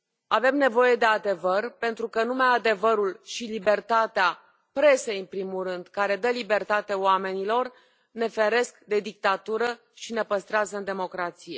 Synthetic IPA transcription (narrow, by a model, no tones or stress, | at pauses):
ave̞mne̞vo̞je̞d̪e̞ad̪e̞vərpe̞nt̪ɾukənumead̪e̞vəɾulʃilibe̞rt̪at̪ea | pɾe̞se̞jɨnpɾimulɾɨnd̪kaɾe̞d̪əlibe̞rt̪at̪e̞oame̞nilo̞r | ne̞fe̞ɾe̞skd̪e̞d̪ik̚t̪at̪uɾə | ʃine̞pəst̪ɾeazəɨnd̪e̞mo̞kɾat̪sije̞